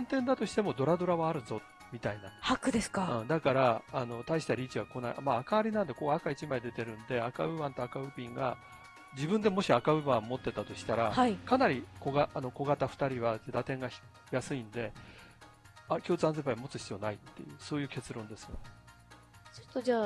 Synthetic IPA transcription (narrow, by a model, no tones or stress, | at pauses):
nt̪ẽnd̪at̪o̞ɕi̥t̪e̞mo̞d̪o̞ɾad̪o̞ɾaβaːɾɯ̟̃nzo̞t̪ | mʲit̪ainahakɯ̟d̪eskaɯ̃d̪akaɾaano̞t̪aiɕi̥t̪aɾʲiːt͡ɕiɡako̞na̰ḭʔamaːkaβaɾʲinãnd̪e̞ko̞ɡakait͡ɕimaid̪e̞t̪e̞ɾɯ̟̃nd̪e̞akaɯ̟βãnt̪o̞akaɯ̟pʲĩŋɡa | d͡ʑibɯ̟̃nd̪e̞mo̞ɕiakaɯ̟βãmmo̞t̪ːe̞t̪at̪o̞ɕi̥t̪aɾahaikanaɾʲiko̞ɡaʔːno̞ko̞ɡat̪aɸɯ̥t̪aɾʲiβated̪at̪ẽ̞ŋɡa | jasɨĩnd̪e̞ | akʲo̞ːt͡sɨãnzepaimo̞t͡sɨ̥ɕi̥t͡sijo̞ːnait̪ːe̞̰jɯ̟̰so̞ːjɯ̟ːke̞t͡sɨɾõ̞nd̪e̞sɨ̥jo̰ne | t͡ɕo̥t̪ːod͡ʑaː